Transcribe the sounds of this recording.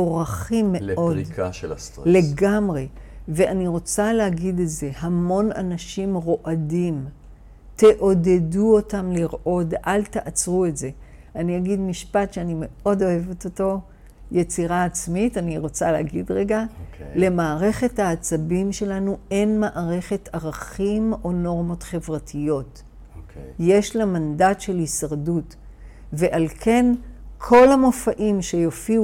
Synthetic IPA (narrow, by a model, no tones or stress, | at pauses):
oʁaχimːeodsle̞ɡamʁe̞ve̞aniʁo̞t͡salehaɡideze̞hamo̞na̰naʃimʁo̞ʔadim | te̞ʔo̞deduo̞tamliʁʔo̞dʔalteʔat͡sʁue̞tze̞ | anijaɡidmiʃpatʃeanime̞o̞do̞e̞vet̪oto̞ | je̞t͡siʁaːt͡smitaniʁo̞t͡saleaɡidʁe̞ɡale̞maːʁe̞χe̞thaːt͡sabimʃe̞lanue̞nmaʔaʁe̞χe̞taʁaχimo̞no̞ʁmo̞tχe̞vʁatʰijo̞t | je̞ʃlamandatʃe̞lhisaʁdut | ve̞ʔalkʰe̞nkʰo̞lamo̞faʔimʃe̞jofiu